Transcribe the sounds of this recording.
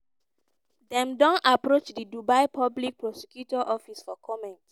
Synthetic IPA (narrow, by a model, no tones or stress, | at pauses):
dɛ̃mdɔ̃napɹot͡ʃdidubaɪpʰɔblik̚pɹɔsikjutɔʔɔfisfɔkʰɔmɛ̃nt